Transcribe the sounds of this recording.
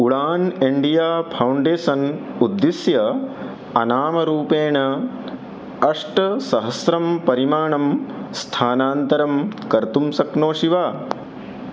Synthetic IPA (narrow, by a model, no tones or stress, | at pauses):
uɭaːneɳɖijaːpʰɐwɳɖeːsɐnud̪ːisjɐ | ɐnaːmɐɾuːpeːɳɐ | ɐʂʈɐsɐɦɐsɾɐmpɐɾimaːɳɐmst̪ʰaːnaːnt̪ɐɾɐmkɐɾt̪umsɐknoːʂiʋaː